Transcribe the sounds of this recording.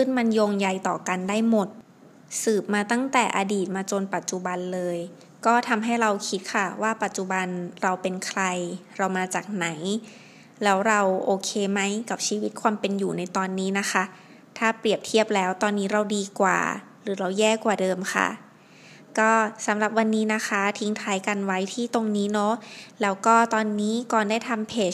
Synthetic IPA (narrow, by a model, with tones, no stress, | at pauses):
kʰɯ˥˩nma˧njoː˧ŋja˧jt̪ɔː˨˩ka˧ndaː˥˩jmo˨˩t̪̚ | sɯː˨˩p̚maː˧t̪a˥˩ŋt̪ɛː˨˩ʔaː˧diː˨˩t̪̚maː˧t͡ɕo˧npa˨˩t̪̚t͡ɕu˨˩ba˧nlɤː˧j | kɔː˥˩t̪ʰa˧mɦa˥˩jɾa˧wkʰi˦t̪̚kʰa˥˩waː˥˩pa˨˩t̪̚t͡ɕu˨˩ba˧nɾa˧wpe˧nkʰɾa˧jɾa˧wmaː˧t͡ɕaː˨˩k̚na˩˦j | lɛː˦˥wɾa˧wʔoː˧kʰeː˧ma˦˥jka˨˩p̚t͡ɕʰiː˧wi˦˥t̪̚kʰwaː˧mpe˧njuː˨˩na˧jt̪ɔː˧nːiː˦˥na˦˥kʰa˦˥ | t̪ʰaː˥˩pɾi˨˩əp̚t̪ʰi˥˩əp̚lɛː˦˥wt̪ɔː˧nːiː˦˥ɾa˧wdiː˧kwa̰ː˨˩ | ɾɯː˩˦ɾa˧wjɛː˥˩kwaː˨˩dɤː˧mkʰa̰˥˩ | kɔː˥˩sa˩˦mɾa˨˩p̚wa˧nːiː˦˥na˦˥kʰa˦˥t̪ʰi˧ŋt̪ʰaː˦˥jka˧nwa˦˥jt̪ʰiː˥˩t̪o˧ŋniː˦˥nɔ˦˥lɛː˦˥wkɔː˥˩t̪ɔː˧nːiː˦˥kɔː˨˩ndaː˥˩jt̪ʰa˧mpʰeː˨˩